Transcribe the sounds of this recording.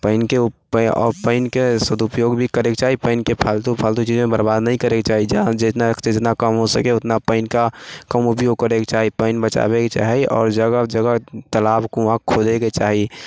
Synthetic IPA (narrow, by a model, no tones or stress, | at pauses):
pəɪnkeʊpɔpəɪnkesəd̪ʱupjoːɡbʱikəɾekt͡ʃaːɦipəɪnkepʰalt̪upʰəlt̪ut͡ʃiːzmẽbəɾbaːd̪nəɦĩkəɾeket͡ʃaːɦid͡ʒd͡ʒɪt̪nakt͡ʃeɪt̪nakəmɦosəkeʊt̪napəɪnkakəmʊpjoɡ̚kəɾeket͡ʃaːɦipəɪnbət͡ʃa̰beket͡ʃa̰ːɦiɔːɾd͡ʒəɡəd͡ʒəɡət̪əlaːbkuãkʰod̪eket͡ʃaːɦi